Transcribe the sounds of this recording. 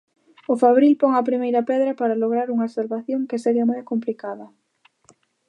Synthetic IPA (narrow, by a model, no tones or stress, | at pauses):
ʊfaβɾilpoŋɐpɾimejɾɐpɛðɾɐpaɾaloɣɾaɾuŋɐsalβaθjoŋkeseɾiamojkomplikaðɐ